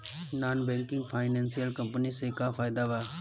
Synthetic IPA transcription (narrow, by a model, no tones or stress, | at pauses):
naːnbɛ̃ːŋkɪ̃ŋɡfʰaːɪnẽːnsijəlkəmpəniseːkaːfʰaːɪd̪aʋaː